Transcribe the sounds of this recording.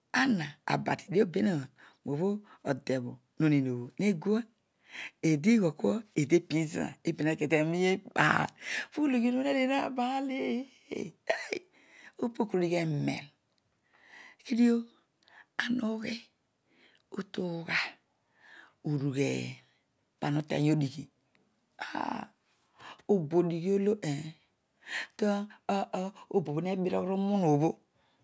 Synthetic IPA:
a˦na˨a̰˨ba̰˨ti̥˨de˦o˦be˦na˦˨ | mo˨βo˦o˨de˨βo˨ | no˨ni˨n˨o˨βo˨ne˦ɡu˦a˦ | e˨de˦ɡo˨ko˦e˨de˦pi˦zḭ˦a̰˨e˦be˨n˨e˨ke˨te˨mi˦je˦ba̰˨fu˦lo˨ɡi˦no˦e˦ɾe˨na˦˨ba˦lḛ˦˨˦ | o˦po˦kɾo˨ɾi˦ɣe˦mḛ˨n | ki˦di˦o˦ | a˨no˦ke˦ | o˦to˦ka˦ | u˨ɾu˨ɣḛ˨ | pa˨no˦tḛ˨ɲ˦o˦di˨ki˨ | a̰˦ | o˨bo˨di˨ki˦o˦lo˦ʔe˨ | to˦ | o˦bo˨bo˨ne˦bi˦ɾo̰˦kɾo˦mu˦no˨βo˦

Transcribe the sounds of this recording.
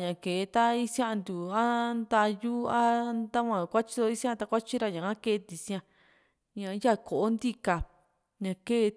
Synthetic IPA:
ɲã˨ke˨˧t̪a˦i˦sj̃ã˦ʔnd̪u˨a˦nd̪a˧ju˦a˦nd̪a˦kʷã˧˨kʷa˦t͡ʃi˦d̪o˧i˦sj̃ã˦˧t̪a˧kʷa˦t͡ʃi˦ɾa˧ɲã˨a˦ke˦˧t̪i˨sĩ˦˧ã˧ | ɲã˨˦ja˦ko˨ʔo˦nd̪i˦ka˨ | ɲã˨ke˦˧

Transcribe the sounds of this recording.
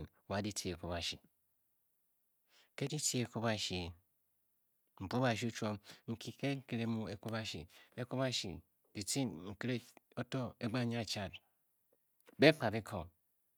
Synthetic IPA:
n˨wa˨˦di˦tʰi˨e˨ko˦ba˨ʃi˨ | ke˦di˦ti˦e˨ko˦ba˦˨ʃi˨ | ŋ͡m̩˨k͡pba˨ʃ̬i˦u˦t͡ʃo˦mŋ̩˨ki˦ke˦ŋ̩˦ki˦˨ɾe˦mu˦e˨ku˦ba˦ʃḭ˨e˦ko˦ba˦ʃḭ˨ | d̥i˨ti˦nŋ̩˨ki˦ɾe˦o˦to˦e˦ɡ͡ba˦ɲa˦˨t͡ʃa˦˨t | be˦k͡pa˨bi˦kʰo˨

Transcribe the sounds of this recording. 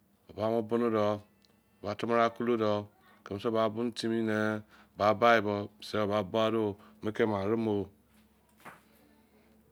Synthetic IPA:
o˨ba˨˦mo˦bu˦no˦dɔ˨ | ba˨tu˦ma˦ɾa˦˨ku˦lo˦dɔ˨ | ke˨m˨so˦ba˨bu˦n˦ti˦mi˦ne˦˨ | ba˨ba˦i˨bɔ˦˨se˦o˨ba˨bo˦a˦do˦˨me˦ke˦˨ma˨ɾi˦mo˦

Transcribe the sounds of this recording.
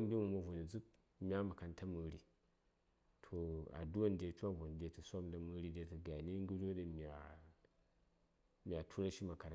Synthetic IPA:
n˦di˦mu˨mɐ˨vo˨ni˨d͡zɨ˦k̚ | mʲa˦mɐ˨ka˨nta˦mɨ˨ɾi˨ | tʰo˨a̰˨du˦a˦ndʲe˨˦t͡ʃʷa˦vo˨n˨dʲe˨tɨ˨sʷa˦mdɐ˨mɨ˦˧ɾi˦de˧tɨ˨ɡa˨ni˦ŋ˦ɡu˦ɾo˦dɐ˨mʲ˨a˨ | mʲ˨a˨tʰu˦ɾa˦ʃi˦ma˨ka˨ɾa˨

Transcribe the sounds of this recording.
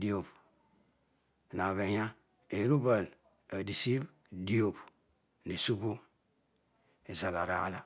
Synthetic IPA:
di˦˨o˨b | na˨βe˨ja˦ | e˨ɾu˦ba˨l | a˨di˨si˦b | di˦o˨p | ne˨su˦bo˦ | e˨za˨la˨ɾa˨a˦la˨

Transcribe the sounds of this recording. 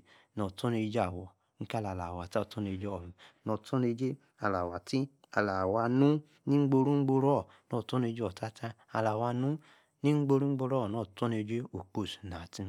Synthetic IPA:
nɔ˨tɔ˦ne˧d͡ʒa˦˨wɔ˨ | ŋ̩˦ka˦la˨la˨wa˨ti˦ɔ˦˧˨tɔ˦ne˧˨d͡ʒɔ˨i˨nɔ˧tɔ˦ne˧d͡ʒe˦ | a˨la˨wa˨ti˦ | a˨la˨wa˧nũ˦ | nĩ˦ŋ͡m̩˦ɡ͡bo˧ɾũ˦ŋ͡m̩˦ɡ͡bo˧ɾɔ˦˨ | nɔ˨tɔ˦ne˧˦d͡ʒe˦ɔ˨ta˦ta˦ | a˧˨la˨wa˧nũ˦ | nĩ˦ŋ͡m̩˦ɡ͡bo˧ɾũ˦ŋ͡m̩˦ɡ͡bo˧ɾɔ˦˨nɔ˨tɔ˦ne˧d͡ʒe˦o˨k͡po˨su̥˨na˨ti˦

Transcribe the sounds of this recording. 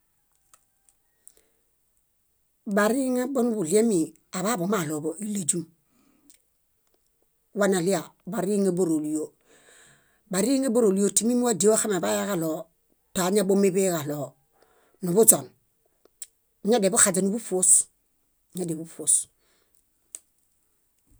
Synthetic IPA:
ba˨ɾi˦ŋa˦bo˦nu˦bu˨li˦e˦mi˨ | a˨βa˦bo˨ma˦˨lo˨bo˨ʔi˦la˨d͡ʒu˦m | wa˦na˨li˦a˨ba˨ɾi˦ŋe˦bo˦ɾo˨li˨jo˨ | ba˨ɾi˦ŋe˦bo˦ɾo˨li˦o˨ti˦mi˦mu˦a˦di˨˦o˦xa˦ma˨ba˦ja˦ɡa˦lo˨ | ta˨˦ɲa˦bo˦me˦be˦ɡa˨lo˨ | nu˨bu˦d͡ʒo˨n | ɲa˦de˨bu˦xa˨d͡ʒa˨nu˦bu˦fo˦s | ɲa˦de˨bu˦fo˨s

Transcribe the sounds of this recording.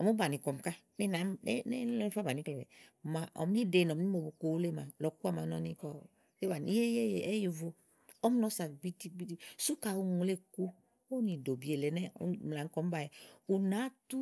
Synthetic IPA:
ɔ˨mu˦ba˨nĩ˨kɔ˨m˨ka˦ni˦na˨˦ne˦lɔ˦ni˦fa˦ba˨nĩ˨˦kle˨bɛ̰˨mã˨ʔɔ̰˨m˦i˦de˨nɔ˨m˦ni˦mo˨bo˨ko˨wu˦le˦˨ma˨lɔ˨ku˦a˦˨mã˨nɔ˨nĩ˦kɔ̥˦ | e˦ba˨n˨i˦ɛ˦e˦je˨e˦ji˨vo˦ | ɔ˦m˦nɔ˦sa˨bi˦ti˦bi˦ti˦su˦ka˨wu˦ŋũ˨˦le˦ku˦ | o˦nĩ˨do˨bi˨e˨lɛ˨nɛ̰˦m˨la˨ŋ˦kɔ˨˦m˦ba˨jɛ˨u˨nã˨˦tu˦

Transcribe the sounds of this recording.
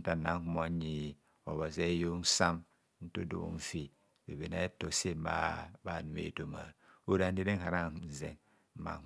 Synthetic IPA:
n̩˦ta˨na˨˦ŋ˦hmo˨˦ɲi˨ | o˨βa˨se˦jo˦n̩˦sa˦m | n̩˦to˦do̰˨˦n̩˦fi˨ | be˨be˨na˦e˦to˨se˦m˦ba̰˦ba˨nu˨mḛ˨to˨ma̰˨o˦ɾa˦n˦de˦de˦ŋ˦ha˨ɾa˦˨zḛ˨ŋ̩˦ | ma̰˨

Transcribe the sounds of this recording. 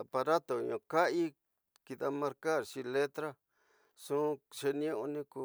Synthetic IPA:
a˨pa˧ɾa˦t̪o˨i˨ɲõ˧ka˦ʔi˦ | ki˧ða˧mã˧ɾka˦˨ɾʃĩ˧le˦t̪ɾa˦ | sũ˦ʃe˧nĩ˦õ˦ʔõ˧nĩ˦ku˧

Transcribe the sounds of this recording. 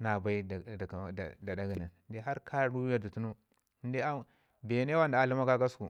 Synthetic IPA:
na˨ba˦i˦˨da˨da˦ɡi˨ni˨n˨˦de˦ɦa˦ɾkʰa˦ɾu˦ja˨du˨tu˦nu˦ | n˦de˦a˦ | be˨ne˦wa˦nda˨a˨lu˦ma˦ka˦ɡa˦sku˨

